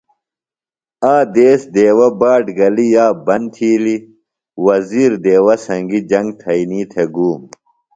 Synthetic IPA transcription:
aːd̪eːsd̪eːwɐbaːʈɡɐlijaːbɐnt̪ʰiːli | wɐziːɾd̪eːwɐsɐŋɡid͡ʑɐŋɡt̪ʰɐiniːt̪ʰeɡuːm

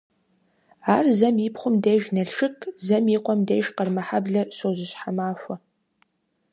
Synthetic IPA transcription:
aːrzɐmipχʷʊmdeːjʒnɐɬʃɨkʰzɐmiːqʷʼɔmdeːʒqɐrmɐħabɮɐɕoːʑɪɕħamaːfʷɐ

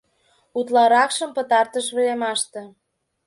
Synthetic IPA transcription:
ut̪lɑɾɑkʃə̆mpə̆t̪ɑrt̪əʃβelemɑʃt̪ĕ

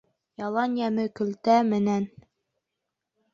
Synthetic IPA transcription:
jɑlˠɑnjæmɘkɵ̆lt̪æmɘ̆næn

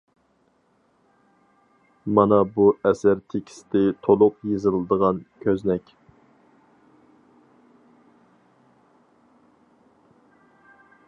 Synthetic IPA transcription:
mɑnɑbuɛsæɾt̪ʰekʲʰi̥sɪ̥d̪ɪt̪ʰolˠʊqjezɨlˠɨd̪əʁɑnkʲʰøznɛkʲ

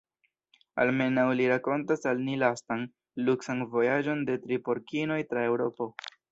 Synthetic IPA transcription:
a̰lme̞nawliɾako̞ntasalnilastaŋ | luksanvo̞jad͡ʒo̞nde̞tɾipo̞ɾkino̞jtɾae̞wɾo̞po̞

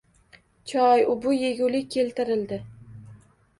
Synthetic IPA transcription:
t͡ʃʰɒjʊbʊjeɡʲʊlɪe̞lt̪ɪɾɪld̪ɪ

